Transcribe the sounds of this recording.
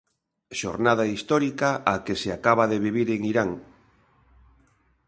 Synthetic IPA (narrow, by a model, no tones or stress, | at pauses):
ʃo̰ɾnað̞aist̪ɔɾikaʔakeseakaβaðeβ̞iβ̞iɾeŋiɾaŋ